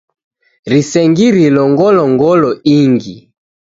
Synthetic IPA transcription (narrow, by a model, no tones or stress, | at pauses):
ɾisɛŋɡiɾilɔŋɡɔlɔŋɡɔlɔiŋɡi